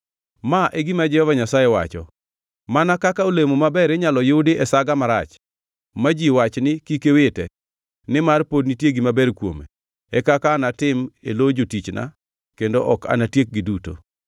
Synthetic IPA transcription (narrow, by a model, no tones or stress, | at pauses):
maʔeɡimad͡ʒɛhɔvaɲasajɛwa̰t͡ʃɔ̰ | manakakaolemomabɛɾeɲalɔjodɪʔɛsaɡamaɾa̰t͡ʃ | mad͡ʒiwat͡ʃnɪkikewetɛ | nɪmarpod̚nitjeɡimabɛrkwo̰mḛ | ɛkakanatɪmelod͡ʒotit͡ʃna̰ | kendoʔɔka̰natjek̚ɡiduto̰